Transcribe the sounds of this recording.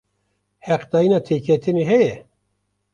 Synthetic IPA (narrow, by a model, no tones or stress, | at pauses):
hɛqd̪ɑːjinɑːt̪ʰeːkʰɛt̪ʰɪneːɦɛjɛ